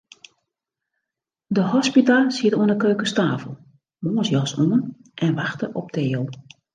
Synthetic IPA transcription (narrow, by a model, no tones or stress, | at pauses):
dəɦɔspitasiətoənəkøːkəstaːfəlˠ | moːnsjɔsoənʔɛnʋaxtəʔɔp̚tʰeːəlˠ